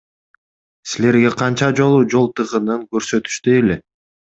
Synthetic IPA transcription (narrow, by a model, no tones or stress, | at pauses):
sile̞ɾɡe̞qʰɑnt͡ʃɑd͡ʒo̞lˠud͡ʒo̞lˠt̪ɯʁɯnɯŋkø̞ɾsø̞t̪y̥ʃt̪yjele